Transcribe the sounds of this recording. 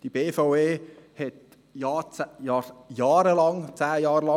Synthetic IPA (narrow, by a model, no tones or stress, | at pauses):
d̥ibeːfaʊeːhɛt̪ | jɑːt͡sjɑjɑːɾəlɑŋt͡sæːjɑːɾəlɑ